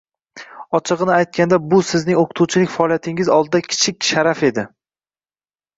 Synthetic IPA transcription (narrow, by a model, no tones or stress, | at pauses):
ɒt͡ʃʰɨʁɨnɪajt̪̚kʲand̪abʊsɪznɪŋoqʰʊ̥t̪ʰuwt͡ʃʰɪlɪkʲfaɒːlijat̪ʰɪŋɪzɒlˠd̪ɪd̪akʲʰɪ̥t͡ʃʰɪkʲʃaɾafe̞d̪ɪ